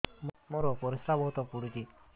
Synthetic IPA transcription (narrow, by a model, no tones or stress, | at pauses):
moɾɔpɔɾisɾabɔɦut̪ɔpuɽud͡ʒi